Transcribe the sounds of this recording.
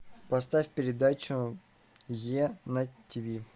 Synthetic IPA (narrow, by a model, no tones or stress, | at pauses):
pɐst̪afʲpʲɪɾʲɪd̪at͡ɕʊ | jenɐtʲivʲi